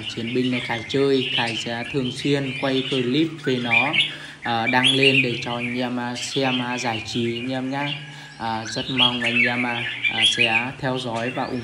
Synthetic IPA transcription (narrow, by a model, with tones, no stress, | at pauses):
t͡ɕi˨˦ənɓï˨˩ŋ̟laː˨˩xaː˧˩jt͡ɕəː˧jxaː˧˩jsɛ̰˧˥t̪ʰɨ˨˩əŋswi˧ənkwa˧jxəː˧˩jli˦˥p̚ve˨˩nɔ˨˦ | ʔəː˨˩ɗaː˧ŋle˧nɗe˧˩t͡ɕɔ˨˩˨ɲː˧maː˧sɛ˧maː˧˩zaː˧˩jt͡ɕi˨˩˦ɲɛ˧mɲaː˦˥ | ʔəː˨˩zə˦˥t̚ma˧wŋ͡ma˨˩jŋaː˧maː˧˩ʔːsɛ̰˧˥t̪ʰɛ˧wzɔ˨˦jvaː˨˩ʔʊ̰˨˧˩ŋ͡m